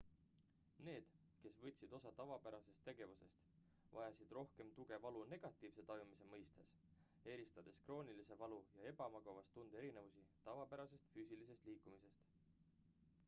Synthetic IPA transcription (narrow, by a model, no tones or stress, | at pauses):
ne̞ːd̪̥ | ke̞svɤt̪ʲsid̪̥o̞sɑt̪ɑvɑpæɾɑse̞st̪ːe̞ɡ̥e̞vuse̞st̪ | vɑjɑsid̪̥ro̞hke̞mt̪uɡ̥e̞vɑlune̞ɡ̥ɑt̪ːˑiːvse̞t̪ɑjumise̞mɤjst̪es | e̞ːɾist̪ɑd̪̥e̞skro̞ːnilise̞vɑlujɑe̞bɑmɑɡ̥ɑvɑst̪ːund̪̥e̞ɾine̞vusit̪ɑvɑpæɾɑse̞st̪fyːsilise̞st̪liːkːumise̞st̪